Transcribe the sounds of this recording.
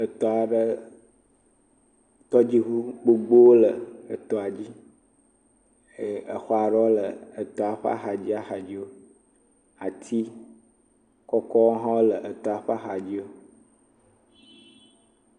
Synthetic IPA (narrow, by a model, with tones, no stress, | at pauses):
ə˨t̪ɔ˨a˨ɖə˦ | t̪ɔ˦d͡ʑi˦ɦu˦ɡ͡bo˦ɡ͡bo˦wo˦lə˨ə˨t̪ɔ˨a˨d͡ʑi˦˨ | ə˨xɔ˨a˨ɖɔ˦lə˨ə˨t̪ɔ˨a˨ɸa̰˦xa˨d͡ʑi˦a˦xa˨d͡ʑi˦wo˦ | a˨t̪ʰi˦ | kɔ˦kɔ˦wo˦ɦã˦wo˦lə˨ʔə˨t̪ɔ˨a˨ɸa˦xa˨d͡ʑi˦wo˦